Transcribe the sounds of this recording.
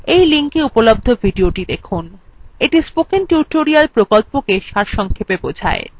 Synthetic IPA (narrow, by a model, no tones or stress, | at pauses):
ejliŋkeupolob̚d̪ʱovʱiɖioʈid̪ekʰuneʈispokinʈjuʈoɾialpɾokolpokeʃaɾʃɔŋkʰepebod͡ʑʱa̰e